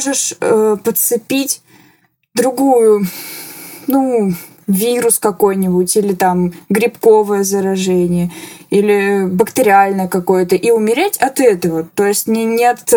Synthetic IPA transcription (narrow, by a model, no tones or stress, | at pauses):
ʐɨʂəpət̪sɨpʲitʲ | d̪ɾʊɡujʊ | nu | vʲiɾʊskɐko̞jnʲɪbʊtʲilʲɪt̪amɡɾʲɪpko̞vəjəzəɾɐʐɛnʲɪjəilʲɪbəkt̪ɨɾʲɪalʲnəjəkɐko̞jət̪əʔiʊmʲɪɾʲætʲɐt̪ɛt̪əvət̪o̞jɪsʲtʲnʲɪnʲet̪